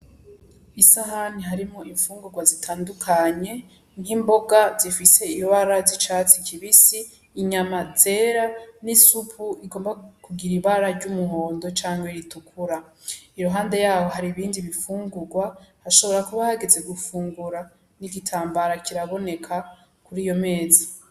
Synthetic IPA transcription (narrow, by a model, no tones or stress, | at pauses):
isaɦaniɦaɾimo̞ʔiɱfuːŋɡuɡwazitʰaːndukʰaɲe̞ | ŋ̥imbo̞ɡazifise̞iɾβaɾazit͡ʃaːt͡sikʰiβisiː | ɲamaze̞ɾanisupʰuiɡo̞ːmbakuɡiɾiβaɾaɾɟumuɦo̞ːndo̞t͡ʃaːŋɡweɾitukʰuɾaiɾuɦaːnde̞jaːho̞ɦaɾiβiːndiβifuːŋɡuɾɡwahaʃo̞βo̞ɾakuβahaɡe̞ze̞ɡufuːŋɡuɾa | niɡitʰaːmbaɾakiɾaβo̞ne̞kʰa | kuɾijo̞me̞ːzi